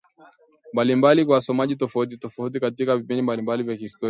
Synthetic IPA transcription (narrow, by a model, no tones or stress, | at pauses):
mbalimbalikwawasɔmaʄitɔfaut̬itɔfaut̬ikatikavipindimbalimbalivjakihistɔ